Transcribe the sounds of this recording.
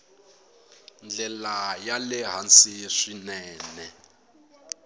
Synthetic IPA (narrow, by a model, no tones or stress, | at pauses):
nd͡ɮɛlajalɛɦansiʂinɛːnɛ